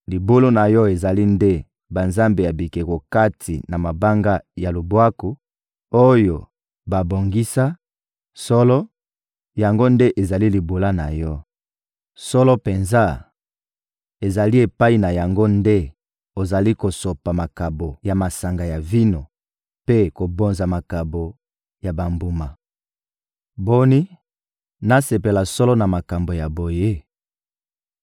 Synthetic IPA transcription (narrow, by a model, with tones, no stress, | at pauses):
li˨bo˦lo˦na˨jɔ˦e˨za˨li˦nde˦ | ba˨nza˦mbe˨ja˨bi˨ke˨ko˨ka˦tʰḭ˨na˨ma˨ba˦ŋɡa˦ja˨lo˨bwa˦ku˨ | o˦jo˨ | ba˨bo˨ŋɡi˦sa˦ | sɔ˦lɔ˦ | ja˨ŋɡo˦nde˦ʔe˨za˨li˦li˨bo˨la˦na˨jɔ˦ | sɔ˦lɔ˦pe˨nza˦ | e˨za˨li˦e˨pa˦i˨na˨ja˨ŋɡo˦nde˦ | o˨za˨li˦ko˨so˨pa˨ma˨ka˨bo˨ja˨ma˨sa˨ŋɡa˨ja˨vi˦no˨ | pe˦ko˨bo˨nza˨ma˨ka˨bo˨ | ja˨ba˨mbu˨ma˨ | bo˦ni˦ | na˦se˨pe˨la˨sɔ˦lɔ˦na˨ma˨ka˨mbo˨ja˨bo˨je˦